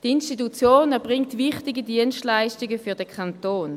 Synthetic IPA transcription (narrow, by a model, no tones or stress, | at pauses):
d̥institut͡sjoːnɛɐbʁɪŋtʋɪχtɪɡədiənstlaɪʃtɪɡəfyɐdəkʰantoːn